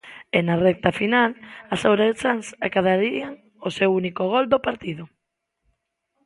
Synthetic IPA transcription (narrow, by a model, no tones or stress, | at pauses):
ɪnarɛk̚t̪afinalasawɾat͡saŋsakaðaɾiaŋ | osewunikoɣ̞ɔld̪opaɾt̪iðʊ